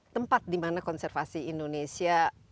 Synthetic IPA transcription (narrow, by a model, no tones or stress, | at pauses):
t̪əmpat̪̚dimanakɔnsɛrfasiːndonesia